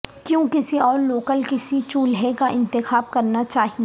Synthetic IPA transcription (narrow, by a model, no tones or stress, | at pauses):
kjõːkɪsiɔːɾloːkəlkɪsit͡ʃuːlɦekaʔɪ̃nt̪ɪxaːb̚kɐɾnat͡ʃaːɦie